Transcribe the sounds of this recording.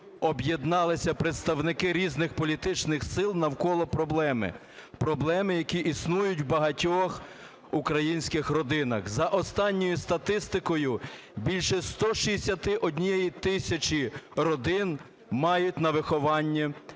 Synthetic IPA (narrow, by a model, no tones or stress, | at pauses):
ɔbjed̪nɑlˠɪsʲɐpɾet̪st̪ɐwnɪkɪɾʲiznɪxpɔlʲit̪ɪt͡ʃnɪxsɪlˠnɐwkɔlˠɔpɾɔblˠɛmɪ̰ | pɾɔblˠɛmɪjɐkʲiʔisnujʊtʲwbɐɦɐtʲɔx | ukɾɐjinʲsʲkɪxrɔd̪ɪnɐxzɐʔɔst̪ɑnʲːɔjʊst̪ɐt̪ɪst̪ɪkɔjʊ | bʲilʲʃɛst̪ɔʃisʲɐt̪ɪʔɔdʲnʲijejit̪ɪsʲɐt͡ʃiɾɔd̪ɪn | mɑjʊtʲnɐʋɪxɔʋɑnʲːi